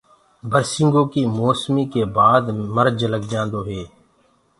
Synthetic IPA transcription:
bəɾsɪ̃ŋɡõːkiːmoːsmiːkeːbaːd̪məɾd͡ʒləɡd͡ʒãːnd̪oːɦeː

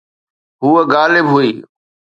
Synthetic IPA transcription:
ɦuːəɡaːlɪbɦuiː

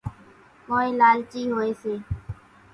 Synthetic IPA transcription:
koːeːlaːlt͡ʃiːɦoːeːseː

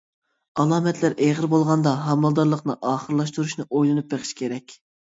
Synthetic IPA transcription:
ɑlˠɑːmɛt̪ʰlæɾʔeʁəɾbolˠʁɑnd̪ɑɦɑmɑlˠd̪ɑɾlˠəqnɨ̰ʔɑːχəɾlˠɑʃt̪uɾuʃnɨʔojlˠɨnup̚beqʰɨ̥ʃkʲʰeɾɛkʲ

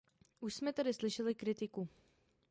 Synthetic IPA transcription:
ʔuʃsmɛt̪adɪslɪʃɛlɪkɾɪt̪ɪku

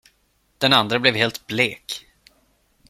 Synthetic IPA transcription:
d̪̥ɛnand̪ɾəblɛvhɦeːlt̪bleːk

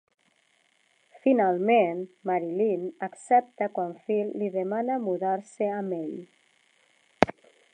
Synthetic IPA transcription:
finalˠmenmaɾilinaksɛp̚t̪əkwaɱfillːiðemanəmuðaɾseameʎ

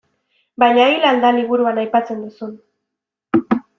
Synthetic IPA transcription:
bajɲailald̪aliβ̞uɾuanajpat͡se̞nd̪usun

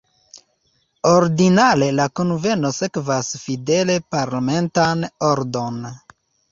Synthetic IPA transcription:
o̞ɾdinale̞lakonve̞no̞se̞kvasfide̞le̞paɾlame̞ntano̞ɾdo̞n

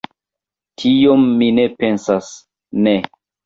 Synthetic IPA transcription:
tʰijomːinepe̞nsas | ne

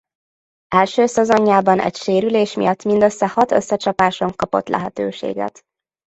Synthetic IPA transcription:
ɛlʃøːsɛzoɲːaːbɒnʔɛ̰cʃeːɾyleːʃmḭjɒt̪ːmind̪øsːɛhɒt̪øsːɛt͡ʃɒpaːʃo̞ŋkɒpot̪lɛ̰ɦɛt̪ø̰ːʃḛːɡɛ̰t̪

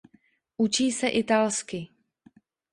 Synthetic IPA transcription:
ʔut͡ʃiːsɛʔɪt̪alskɪ

